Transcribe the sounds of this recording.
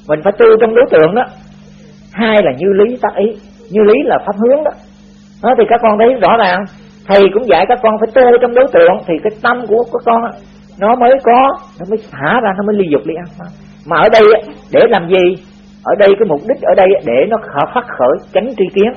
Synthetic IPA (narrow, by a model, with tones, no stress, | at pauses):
mï˨˩ŋ̟faː˧˩jt̪u˧t͡ɕɔ˧wŋ͡mɗo˨˦jt̪ɨ̰˧˨əŋɗɔ˨˦ | haː˧jlaː˨˩ɲɨ˧li˨˦t̪aː˦˥k̚ʔi˨˦ | ɲɨ˧li˨˦laː˨˩faː˦˥p̚hɨ˨˦˥əŋɗɔ˨˦ | ɗɔ˨˦t̪ʰi˨˩kaː˦˥k̚ːɔ˧nt̪ʰə˨˦jzɔ̰˧˥zaː˨˩ŋ | t̪ʰi˨˩kʊ̰˧˥ŋ͡mza̰ː˧˩jkaː˦˥kːɔ˧nfaː˧˩jt̪u˧t͡ɕɔ˧wŋ͡mɗo˨˦jt̪ɨ̰˧˨əŋt̪ʰi˨˩kaː˨˦jt̪ə˧mku˧˩əkaː˦˥kːɔ˧nʔaː˨˦ | nɔ˨˦məː˨˦jkɔ˨˦nɔ˨˦məː˨˦jsa̰ː˧˩zaː˧nɔ˨˦məː˨˦li˧zʊ˨˩k͡p̚li˨˦ʔa˧nfa˨˦ | maː˨˩ʔəː˧˩ɗə˧jʔaː˨˦ɗe˧˩laː˨˩mzi˨˩ | ʔəː˧˩ɗə˧jkaː˨˦jmʊ˨˩p̚ɗi˦˥k̟̚ʔəː˧˩ɗə˧jʔaː˨˦ɗe˧˩nɔ˨˦həː˨˩faː˦˥t̚xəː˧˩jt͡ɕa˨˦jŋ̟t͡ɕi˧ki˨˦ən